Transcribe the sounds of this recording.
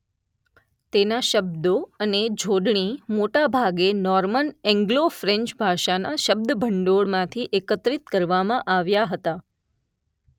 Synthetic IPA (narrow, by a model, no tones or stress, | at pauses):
t̪enaʃəb̚d̪oəned͡ʒʱoɖɳimoʈabʱaɡenɔɾmənɛ̃ŋɡlofɾẽɲt͡ʃbʱaʃanaʃəb̚d̪əbʱəɳɖoɭmãt̪ʰiʔekət̪ɾit̪kəɾʋamãʔaʋjaɦət̪a